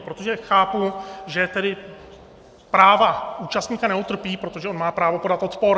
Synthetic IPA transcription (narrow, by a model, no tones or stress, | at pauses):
pɾo̞t̪o̞ʒɛxaːpuʒɛt̪ɛdɪ | pɾaːvauːt͡ʃast̪ɲiːkanɛut̪r̩piːpɾo̞t̪o̞ʒɛʔo̞nmaːpɾaːvo̞po̞dat̪ʔo̞t̪po̞ɾ